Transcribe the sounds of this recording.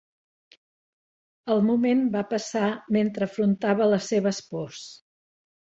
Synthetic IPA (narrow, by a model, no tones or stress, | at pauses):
əlˠmumenbapəsament̪ɾəːfɾunt̪aβələseβəspɔs